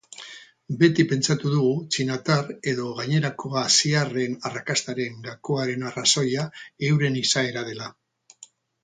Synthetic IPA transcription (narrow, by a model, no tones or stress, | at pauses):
be̞t̪ipe̞nt͡sat̪uðuɣut͡ʃinat̪are̞ðo̞ɣaɲe̞ɾakʰo̞asiare̞narakast̪aɾe̞ŋɡakoaɾe̞naraso̞jae̞wɾe̞nisae̞ɾað̞e̞la